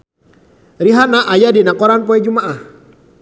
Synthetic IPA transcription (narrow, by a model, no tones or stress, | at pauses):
ɾiɦanaʔajadinakɔɾanpɔɛd͡ʒumaʔah